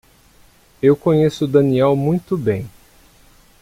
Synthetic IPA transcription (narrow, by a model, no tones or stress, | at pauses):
ewkõɲesʊd̪ɐniɛwmũj̃t̪ʊbẽj̃